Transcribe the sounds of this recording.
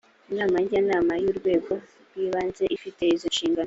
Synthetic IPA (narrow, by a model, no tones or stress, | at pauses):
inaːmaɲɟanaːmajuːɾɡwe̞ːɡo̞ | ɾwiβaːnze̞ʔifite̞izo̞nʃiːŋɡano